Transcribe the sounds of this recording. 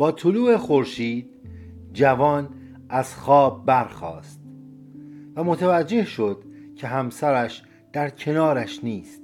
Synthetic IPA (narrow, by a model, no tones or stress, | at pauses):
b̥ɒːt̪ʰoluːe̞xo̞ɾʃiːd̪̚ | d͡ʒævɒːn | æz̥xɒːb̚ːæɾxɒ̰ːst̪ | væmo̞t̪ʰævæd͡ʒːe̞hʃo̞d̪̥ | cʰe̞ɦæmsæɾæʃ | d̪̥æɾcʰe̞nɒːɾæʃniːst̪̚